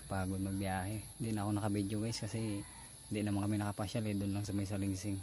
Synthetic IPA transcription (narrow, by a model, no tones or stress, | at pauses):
paːɡʊd̪̚mɐɡ̚bijaːɦɛnd̪ɪʔnaːkonɐkɐbid͡ʒoɡajskɐsɛ | nd̪iʔnɐmankɐminɐkɐpaʃalɛd̪ʊnlaŋsɐmajs̬aliŋsɪŋ